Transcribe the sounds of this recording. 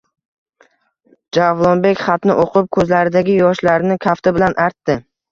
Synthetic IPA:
d͡ʒavlˠonbe̞kʲχɑt̪nɪ̰ʔoqʰʊp̚kʰɵzlaɾɪd̪aɡʲɪjɒʃlaɾnɪkʲʰaft̪ɪbɪlanʔaɾt̪ːɪ

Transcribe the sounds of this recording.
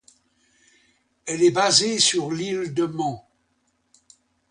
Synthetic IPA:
ɛlɛbazesyʁlild̪əmɑ̃

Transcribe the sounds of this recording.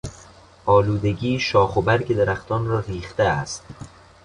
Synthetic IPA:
ʔɒːluːd̪e̞ɡiːʃɒːxobæɾɡed̪eɾæxt̪ɒːnrɒːɾiːxt̪eæst̪

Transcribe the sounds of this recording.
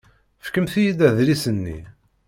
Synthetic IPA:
fkəmθijid̪æðlisənːḭ

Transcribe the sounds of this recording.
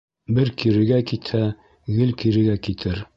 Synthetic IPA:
bɘɾkiɾɘ̆ɡækit̪hæ | ɡɘlkiɾɘ̆ɡækit̪ʰɘɾ

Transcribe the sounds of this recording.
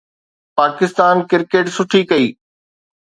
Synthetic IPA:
paːkɪst̪aːnkɪɾkeːʈsʊʈʰikɐiː

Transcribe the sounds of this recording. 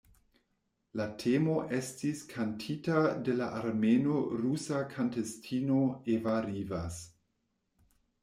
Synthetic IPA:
latʰemo̞ʔe̞stiskʰantʰitade̞laʔaɾmenoɾusakʰantestʰino̞evaɾivas

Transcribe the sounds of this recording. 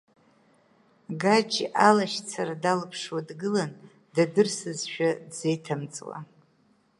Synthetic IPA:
ɡad͡ʒḭʔalaʃt͡sʰaɾadalɨpʰʂwadɡɨlan | dadɨrsɨzʃᶣadze̞jtʰamt͡sʼwa̰

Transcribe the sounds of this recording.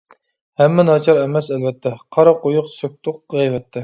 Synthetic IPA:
hɛmːɛnɑt͡ʃʰɑɾɛmɛsɛlvɛt̪ʰːɛqʰɑɾɑqojʊqsøk̚ʲt̪ʰʊq̚ʁɛjvɛt̪ʰːɛ

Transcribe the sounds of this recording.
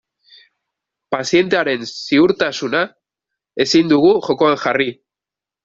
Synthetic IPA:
pasje̞nt̪e̞aɾe̞nsiuɾt̪asuna | e̞sind̪uɣuʝo̞ko̞aŋʝari

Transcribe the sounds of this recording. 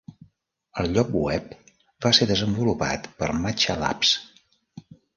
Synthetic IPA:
əlˠʎɔk̚wɛp̚ | baseðəzəmbulupa̰t̪pəɾmat͡ʃəla̰ps

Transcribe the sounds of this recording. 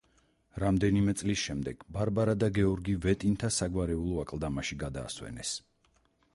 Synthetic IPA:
ɾamd̪ɛnimɛt̪sʼlisʃɛmd̪ɛɡ̥baɾbaɾad̪aɡɛɔɾɡivɛt̪ʼint̪ʰasaɡwaɾɛulˠɔakʼlˠd̪amaʃiɡad̪a̰ːswɛ̰nɛs

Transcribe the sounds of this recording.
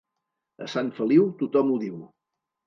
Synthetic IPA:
ə̰saɱfəliwt̪ut̪ɔmuðiw

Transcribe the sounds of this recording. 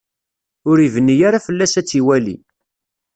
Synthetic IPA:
ʊɾivənːijaɾafəlːæsæt͡sːiwælḭ

